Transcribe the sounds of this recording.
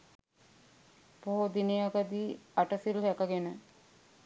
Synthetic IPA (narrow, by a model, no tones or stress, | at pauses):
poɦod̪ineaɡəd̪iːaʈəsilɦækəɡenə